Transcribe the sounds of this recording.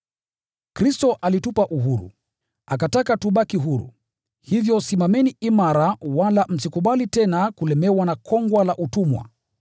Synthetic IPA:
kɾistɔʔalitupaʔuɦuɾṵ | akatakatuɓakiɦuɾṵ | hivjɔsimamɛniʔimaɾawalam̩sikuɓalitɛnakulɛmɛwanakʰɔŋɡwalaʔutumwa̰

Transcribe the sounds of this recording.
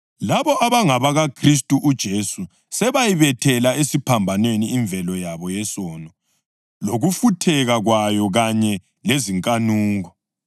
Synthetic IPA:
laβɔʔaβaŋaβaɣakʰris̬tʼuʔud̥ʒ̥ʱesu | sɛβajiβɛtʰɛlaesipʰambʱanweniːɱb̪vʱɛlɔjaβɔjɛsɔnɔ | loɣufutʰɛɣaɣwajɔɣaɲɛ | leziŋkʼanuːŋɔ

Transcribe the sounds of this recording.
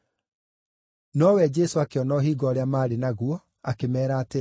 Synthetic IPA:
nɔwɛd͡ʒɛsoakeɔnɔɦiːɡɔːɾeamaːɾenaɣwɔ | akemɛːɾaːte

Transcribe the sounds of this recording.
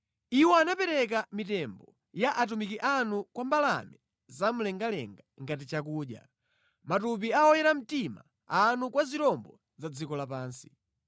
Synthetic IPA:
iwɔanapɛɾɛk̬amitɛmbɔ | jaʔat̬umikiʔanukwambala̰mɛ | zam̩lɛŋɡalɛ̰ŋɡaŋɡat̬it͡ʃakuːɗja̰ | matup̬iawɔjɛɾam̩tima̰ | anukwaziɾɔmbɔ | zad͡zikɔlapaːnsi̥

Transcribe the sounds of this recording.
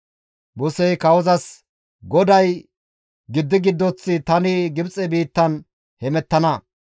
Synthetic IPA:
bʊsɛjkɐwɔzɐs | ɡɔd̪ɐj | ɡɪd̪ːɪɡɪd̪ːɔt͡sːɪt̪ɐnɪɡɪbt͡sʼɛbiːt̪ːɐn | hɛmɛt̪ːɐnɐ

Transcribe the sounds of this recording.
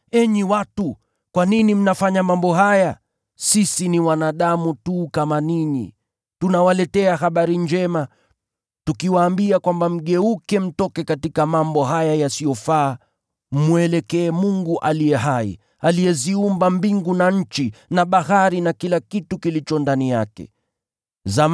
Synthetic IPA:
ɛɲiwatu | kwaninim̩nafaɲamambɔɦaja | sisiniwanaɗamutukamaninḭ | tunawalɛtɛahaɓaɾiɲd͡ʒɛma | tukiwaːmbiakwambam̩ɠɛukɛm̩tɔkɛkatikamambɔɦajajasiɔfaː | m̩mwɛlɛkɛːmuŋɡuʔalijɛɦaḭ | alijɛziumbambiŋɡunaɲ̩t͡ʃinaɓahaɾinakilakitukilit͡ʃɔndanijakɛ̰ | zam

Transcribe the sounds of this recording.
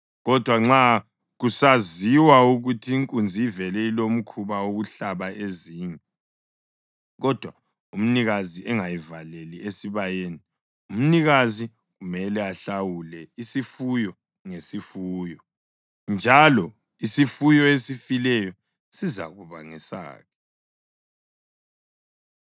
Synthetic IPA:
ɣɔd̥ʱwaŋ͡ǁa | ɣusaziwauɣutʰiːŋkʼund͡zʱiivɛlɛilom̩kʰuβaoɣuɬaβaʔeziɲɛ | ɣɔd̥ʱwa | um̩niɣaziʔɛŋajivaleliesiβajeːni | um̩niɣazi | ɣumɛlɛaɬawulɛisifujɔ | ŋesifuːjɔ | nd͡ʒʱalɔ | isifujɔesifilɛjɔ | siza̰ɣuβa̰ŋḭsa̰ːɣʰɛ

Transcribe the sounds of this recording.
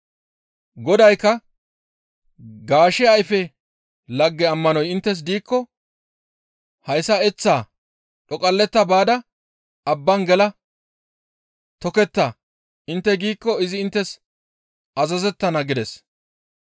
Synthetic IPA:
ɡɔd̪ɐjkːɐ | ɡaːʃɛɐjfɛ | lɐɡːɛɐmːɐnɔjɪnt̪ːɛs̬d̪iːkːɔ | hɐjsɐɛt͡sːaː | ᶑɔkʼɐlːɛt̪ːɐbaːd̪ɐ | ɐbːɐnɡɛlɐ | t̪ɔkɛt̪ːa | ʔɪnt̪ːɛɡiːkːɔɪzɪːnt̪ːɛs | ʔɐzɐzɛt̪ːɐnɐɡɪd̪ɛs

